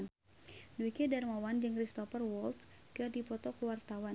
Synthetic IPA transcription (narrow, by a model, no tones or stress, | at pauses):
n | duikɛdarmawand͡ʒɨŋrist̪ɔfərwɔlt̪kɨrdipɔt̪ɔkəwart̪awa